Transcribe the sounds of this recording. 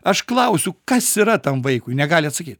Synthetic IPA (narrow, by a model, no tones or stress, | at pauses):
ɐʃklˠɐʊsʲʊkɐsiɾɐt̪ɐmʋɐɪkʊɪnʲɛɡɑːlʲɪɐt̪sɐkʲiːt̪ʲ